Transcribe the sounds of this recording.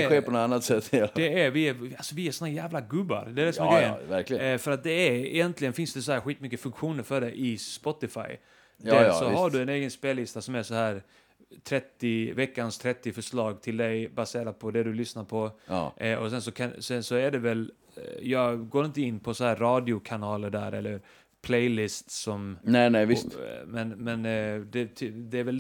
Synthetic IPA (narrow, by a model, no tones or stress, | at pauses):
ɧeːɔnɔt̪anːat̪sɛt̪ːɛd̪ɛæɾvɪæalsɔvɪæɾʂɔnhæɾjæːvlaɡɵbːa̰ɾd̪ɛæɾɛsɔmɛɡɛjənvæklɪfœɾat̪̚d̪ɛæɾɪ̰jɛnt̪ʰlɪɡənfɪnsd̪ɛsɔhæːɾɧiːt̪mʏkːəfɵŋkɧuːnəɾfœɖɛʔɪspɔt̪ɪfa̰j | d̪ɛsɔhaɖɵɛneːɡənspeːlːɪst̪asɔmæsɔhæːɾ | t̪ʰɾɛt̪ːɪvɛkːanst̪ʰɾɛt̪ːɪfœʂlɑːɡt̪ʰɪld̪ɛjbaseːɾad̪̚pʰɔd̪ɛd̪ɵlʏsnaɾpʰɔʔɔsɛnsɔkʰansɛnsɔæɖɛvɛl | jɑːɡɡoːɾɪnt̪̬əɪnːpʰɔsɔhæːɾːɑːd̪ɪʊkʰanɑːləɖæːɾɛ̰lːəɾ | pʰlɛjlɪst̪sɔmnɛnɛʋɪt̪mɛnmɛnd̪ɛt̪ʰd̪ɛæɾvɛl